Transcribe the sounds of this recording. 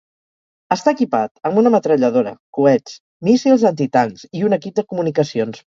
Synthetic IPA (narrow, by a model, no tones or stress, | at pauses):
əst̪aːkipat̪əmbunəmət̪ɾəʎəðoɾə̰kuɛt͡s | misilˠzənt̪it̪aŋkziunəkip̚d̪əkumunikəsions